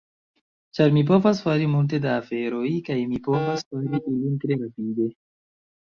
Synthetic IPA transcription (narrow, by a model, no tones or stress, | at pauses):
t͡ʃɐɾmip̬ofasfaɾimunt̪ed̪aːfeɾoikaimipopasfaɾiʔilint̪ɾeɾɐpiːd̪e